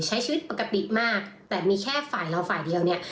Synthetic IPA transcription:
t͡ɕʰa˦˥jt͡ɕʰiː˧wi˦˥t̪̚pa˨˩ka˧t̪i˨˩ʔmaː˥˩k̚t̪ɛː˨˩miː˧kʰɛː˥˩faː˨˩jla˧wfaː˨˩jdi˧əwni˥˩ɐ

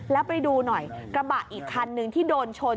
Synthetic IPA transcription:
lɛ˦˥wpa˧jduː˧nɔ˨˩jkɾa˧ba˨˩ʔʔiː˨˩kʰːa˧nːɯ˧ŋt̪ʰiː˥˩doː˧nt͡ɕʰo˧

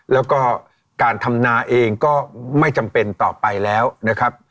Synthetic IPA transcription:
lɛː˦˥wkɔː˥˩ | kaː˧nt̪ʰa˧mnaː˧ʔeː˧ŋkɔː˥˩ma˥˩jt͡ɕa˧mpe˧nt̪ɔː˨˩pa˧jlɛː˦˥wna˦˥kʰɾa˦˥p̚

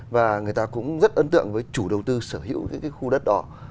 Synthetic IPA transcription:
vaː˨˩ŋɨ˨˩əjt̪aː˧kʊ̰˧˥ŋ͡mzə˦˥t̚ʔəː˧˦nt̪ɨ̰˧˨əŋvəː˨˦jt͡ɕu˧˩ɗə˨˩wt̪ɨ˧səː˧˩hḭ˧˥əwkːjkaː˨˦jxu˧ɗə˦˥t̚ɗɔ˨˦

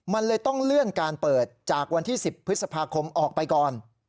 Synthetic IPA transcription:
ma˧nlɤː˧jt̪ɔ˥˩ŋlɯ˥˩ənkaː˧npɤː˨˩t̪̚t͡ɕaː˨˩k̚wa˧nt̪ʰiː˥˩si˨˩pʰːɯ˦˥sa˧pʰaː˧kʰo˧mʔɔː˨˩k̚pa˧jkɔː˨˩n

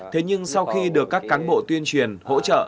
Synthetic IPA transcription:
t̪ʰe˨˦ɲɨ˧ŋsa˧wxi˧ɗɨ˨˩əkːaː˦˥kːaː˨˦nɓo̰˧˨t̪wi˧ənt͡ɕwi˨˩ənho̰˧˥t͡ɕə̰ː˧˨ʔ

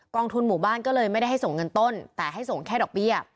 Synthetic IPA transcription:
kɔː˧ŋt̪ʰu˧nmuː˨˩˦baː˥˩nkɔː˥˩lɤː˧jma˥˩jda˥˩jɦa˥˩jso˨˩˦ŋːɤ˧nt̪o˥˩nt̪ɛː˨˩ɦa˥˩jso˨˩˦ŋkʰɛː˥˩ɾɔː˨˩k̚bi˥˩ɐ

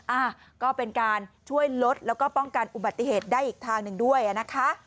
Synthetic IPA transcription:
ʔaː˧˩ | kɔː˥˩pe˧nkaː˧nt͡ɕʰu˥˩əjlo˦˥t̪̚lɛː˦˥wkɔː˥˩pɔ˥˩ŋka˧nʔu˨˩ba˨˩t̪ːi˨˧heː˨˩t̪̚daː˥˩jʔiː˨˩k̚t̪ʰaː˧ŋnɯ˨˩ŋdu˥˩əjʔa˨˩na˦˥kʰa˦˥ʔ

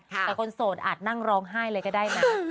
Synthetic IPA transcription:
t̪ɛː˨˩kʰo˧nsoː˨˩t̪̚ʔa̰ː˨˩t̪̚na˥˩ŋɾɔː˧˥ŋɦaː˥˩jlɤː˧jkɔː˥˩daː˥˩jna˦˥

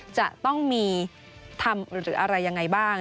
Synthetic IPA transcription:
t͡ɕa˨˩ʔt̪ɔ˥˩ŋmiː˧ | t̪ʰa˧mɾɯː˩˦ʔa˧ɾa˧jːa˧ŋːa˧jbaː˥˩ŋ

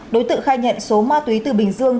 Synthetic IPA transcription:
ɗo˨˦jt̪ɨ̰˧˨ŋxaː˧jɲɛ̰˧˨nso˨˦maː˧t̪wi˨˦t̪ɨ˨˩ɓï˧˩ŋ̟zɨ˧əŋ

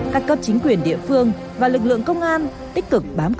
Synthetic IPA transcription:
aː˦˥t̚kə˦˧˥p̚t͡ɕï˨˦ŋ̟kwi˨˧˩ənɗḭ˧˨əfɨ˧əŋ | vaː˨˩lɨ˨˩k̚lɨ̰˧˨əŋkə˧wŋ͡mʔaː˧n | t̪ï˦˥k̟̚kɨ˨˩k̚ɓaː˨˦m

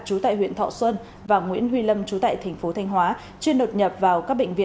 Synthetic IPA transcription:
t͡ɕu˨˦t̪a̰ː˧˨jhwḭ˧˨nt̪ʰɔ̰˧˨swə˧n | vaː˨˩ŋwḭ˧˥ənɦwi˧lə˧mt͡ɕu˨˦t̪a̰ː˧˨jt̪ʰɛ˨˩ŋ̟fo˨˦t̪ʰa˧jŋ̟ɦwaː˨˦ | t͡ɕi˧əno˨˩t̚ɲə˨˩p̚vaː˨˩wkaː˦˥k̚ɓḛ˧˨ŋ̟vḭ˧˨

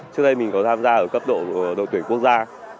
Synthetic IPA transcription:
t͡ɕɨ˦˥ək̚ɗə˧jmï˨˩ŋ̟kɔ˨˦t̪ʰaː˧mzaː˧ʔəː˧˩kə˦˥p̚ɗo̰˧˨ɗo̰˧˨t̪wi˧˩ŋku˦˥ək̚zaː˧

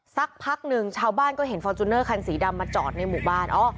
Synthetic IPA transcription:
sa˦˥k̚pʰa˦˥k̚nɯ˧ŋt͡ɕʰaː˧wbaː˥˩nkɔː˥˩ɦe˩˦nfɔː˧t͡ɕu˧nːɤː˥˩kʰa˧nsiː˩˦da˧mːaː˧t͡ɕɔː˨˩t̪̚na˧jmuː˨˩baː˥˩nʔɔː˦˥˩

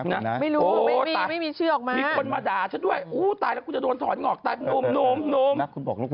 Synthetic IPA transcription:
na˦˧ma˥˩jɾuː˧˦˥ma˥˧miː˧ma˥˩jmiː˧t͡ɕʰɯː˥˩ʔɔː˨˩k̚maː˧mi˧o˧nmaː˧daː˨˩t͡ɕʰa˦˥du˥˩əjʔuː˧˦˥t̪aː˧jlɛ˦˥ku˧nt͡ɕa˨˩do˧nt̪ʰɔː˩˦nŋɔː˨˩k̚t̪aː˧jpʰe˧noː˧˥˩mnoː˧˥˩mnoː˧mʰu˧nbɔː˨˩k

